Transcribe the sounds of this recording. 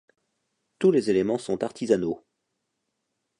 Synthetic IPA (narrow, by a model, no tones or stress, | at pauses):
t̪ulezelemɑ̃sɔ̃t̪aʁt̪ʰizano